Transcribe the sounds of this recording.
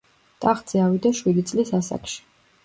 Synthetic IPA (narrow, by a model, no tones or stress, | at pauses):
t̪ʼaχd̪z̥ʼɛavid̪aʃwid̪it̪sʼlisasa̰kʰʃi̥